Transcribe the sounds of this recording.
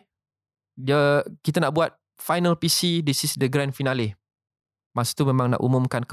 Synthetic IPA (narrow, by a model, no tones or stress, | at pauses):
dəkit̪anaʔbuat̪̚ | fajnalpisidisisdəɡɾãnfinali | masu̥t̪umẽmãŋna̰ʔumũmkank